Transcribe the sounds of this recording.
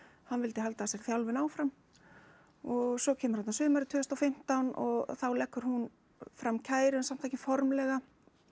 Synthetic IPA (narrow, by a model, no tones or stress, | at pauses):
hanvɪlt̪ɪɦalt̪asjɛɾ̥θjawlvɪnaːwfɾam | ɔɣsɔcʰɛːmʏɾ̥at̪nsʏːmaɾɪt̪ʰʏːst̪awfɪm̥t̪awnɔ̰ɣθawlɛhkːʏɾ̥hun | fɾamcʰaːjɾʏnsam̥t̪θɛjcɪfɔɾmlɛɣa